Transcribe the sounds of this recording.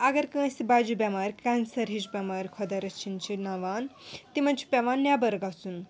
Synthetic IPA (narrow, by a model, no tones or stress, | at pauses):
aɡɐɾkɐ̃sibad͡ʒubʲamaːɾʲkansɐɾɦizbʲamaːɾʲkʰɔd̪ɐɾɐt͡ʃʰint͡ʃʰinaʋaːnt̪imɐnt͡ʃʰi̥pʲaʋaːnːjabɐɾɡat͡sun